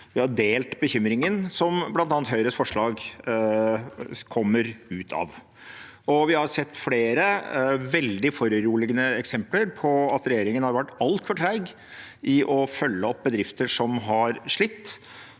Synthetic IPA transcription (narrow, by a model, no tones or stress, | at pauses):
ʋɪhɑɖ̪eːlt̪bəçʏmɾɪŋənsɔmblɑnt̪ɑːnt̪ɦœʏɾəsfɔʂɭɑːɡ | kʰɔmːəɾʉːt̪ʰɑ̰ʋ | ɔʋɪhɑɾsɛt̪ːfleːɾəʋɛld̪ɪfɔɾəɾuːlɪɡənəɛksɛmpləɾpʰɔɑt̪ɾɛjeːɾɪŋənhɑɾʋæʈːɑlt̪ʰfɔʈʰɾæɪɡ | ʔɪʔɔfœlːəɔp̚ːbəd̪ɾɪft̪əʂɔmɦɑɾʂɭɪt̪ː